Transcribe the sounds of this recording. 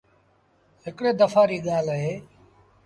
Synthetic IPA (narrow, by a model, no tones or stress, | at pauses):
ɦɪkɽeːd̪əfʰaːɾiːɠaːləɦeː